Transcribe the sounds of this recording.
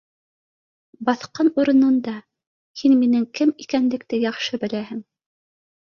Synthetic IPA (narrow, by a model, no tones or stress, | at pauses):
bɑθqɑnuɾɤ̆nɤ̆nd̪ɑ | hinminɘŋkɘmikænlɘ̆k̚t̪ɘjɑχʃɤbɘ̆læɦɘŋ